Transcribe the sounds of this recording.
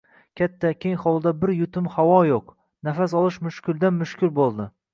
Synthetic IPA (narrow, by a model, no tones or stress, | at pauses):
kʲʰat̪ʰːakʲeŋχɒlˠd̪abɪɾjʊt̪ʰɪmhawɒjoq | nafasɒlˠɪʃmʊʃkʲʊld̪anmʊʃkʲʰʊlbolˠd̪ɪ